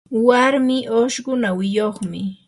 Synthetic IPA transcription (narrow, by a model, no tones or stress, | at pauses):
waɾmɪʔoʃɢʊnawɪjoχmɪ